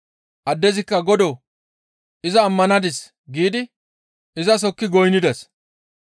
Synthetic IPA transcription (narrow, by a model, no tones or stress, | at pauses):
ʔɐd̪ːɛzɪkːɐɡɔd̪ɔ | ʔɪzɐːmːɐnɐd̪ɪs | ɡiːd̪ɪ | ʔɪzɐs̬ɔkːɪɡɔjnɪd̪ɛs